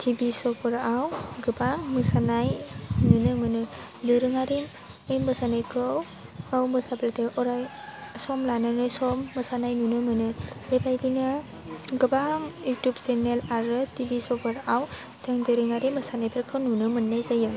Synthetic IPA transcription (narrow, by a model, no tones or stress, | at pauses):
tʰibisɔpɯɾawɡɯbaŋmɯsanajnunɯmɯnɯ | dɯɾɯŋaɾim | embɯsanajkɯwawmɯsablatejʔɔɾaj | sɔmlananɯsɔmːɯsanajnunɯmɯnɯɾebajdinɯ | ɡɯbaŋjutjubsenelaɾɯtibisɔpɯɾaw | sɯŋdɯɾɯŋaɾimbɯsanajpʰeɾkʰɯwnunɯmɯnːajzajɯ